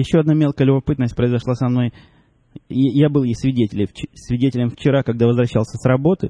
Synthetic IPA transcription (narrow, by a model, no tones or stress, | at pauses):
jɪɕːo̞ɐd̪namʲe̞lˠkəəlʲʊbɐpɨt̪nəsʲt̚ʲpɾəɪzɐʂlˠasɐmno̞j | jabɨlˠjejsʲvʲɪdʲetʲɪlʲɪt͡ɕɪsʲvʲɪdʲetʲɪlʲɪmft͡ɕɪɾakɐɡ̚d̪avəzvɾɐɕːalˠsʲəsrɐbo̞t̪ɨ